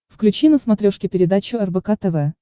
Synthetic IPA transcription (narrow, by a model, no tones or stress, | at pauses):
fklʲʉt͡ɕinəsmɐt̪ɾʲoʂkʲɪpʲɪɾʲɪd̪at͡ɕʊɛrbɛkat̪ɛvɛ